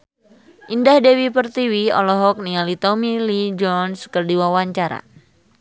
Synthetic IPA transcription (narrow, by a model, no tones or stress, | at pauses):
ʔindahdewipərt̪iwiɔ̰lɔɦɔk̚nialit̪ɔmilid͡ʒɔnskərdiwawaɲt͡ʃaɾa̰